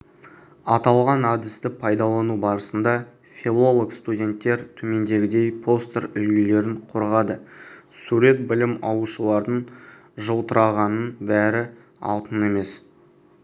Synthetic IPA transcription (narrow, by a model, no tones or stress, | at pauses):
ɑt̪ɑlˠʁɑnɑd̪ɪst̪ɪpʰɑjd̪ɑlˠɑnubɑɾəsənd̪ɑ | fʲilˠo̞lˠokst̪udʲe̞nt̪ːe̞ɾt̪ʰɵme̞nd̪e̞ɡʲɪd̪e̞jpʰo̞st̪əɾʏlɡʲɪle̞ɾɪɴqʰoɾʁɑd̪əsuɾe̞t̪̚bɪlɪmɑw̪uʃəlˠɑɾd̪əɴ | ʒəlˠt̪əɾɑʁɑnənbæɾɪ | ɑ̰lˠt̪əne̞me̞s